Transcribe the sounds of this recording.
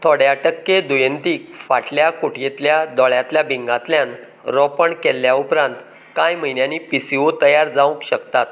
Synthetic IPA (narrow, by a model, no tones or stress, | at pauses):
t̪ʰɔɽjaʈəkːed̪ujənt̪iːkfaʈljakoʈjet̪ljad̪ɔɭjat̪ljabiŋɡat̪ljan | ɾɔpəɳkelːjaupɾãnt̪ | kajm̤əjnjaniːpisiʋot̪əjaɾd͡zaũkɕəkt̪at̪